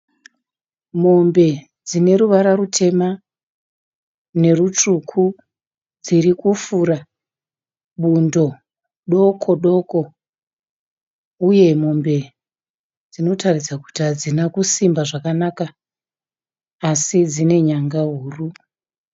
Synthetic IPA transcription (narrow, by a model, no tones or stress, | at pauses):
mo̞mbe̞ | d͡zine̞ɾuʋaɾarutʰe̞ma | ne̞rut͡ʂukʰu | d͡zirikufuɾa | ɓundo̞ | ɗo̞kʰo̞ɗo̞ko̞ | uje̞mo̞mbe̞ | d͡zino̞tarisaku̥tiɦad͡zinakusimbaʐakanaka | sid͡zine̞ɲaŋɡaɦuːru